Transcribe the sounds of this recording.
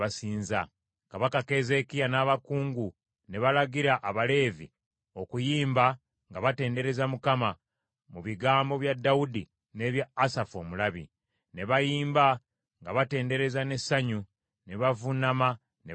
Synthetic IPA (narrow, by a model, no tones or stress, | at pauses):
asiːnza | kaβakake̞ːze̞kijanaːβakuːŋɡu | ne̞βalaɡiɾaʔaβale̞ːvḭ | o̞kujiːmba | ŋɡaβate̞ːnde̞ɾe̞zamukama | muβiɡaːmbo̞βjadːaudi | ne̞βjaːsafo̞mulaβḭ | ne̞βajiːmba | ŋɡaβate̞ːnde̞ɾe̞zane̞saɲu | ne̞βavunama | ne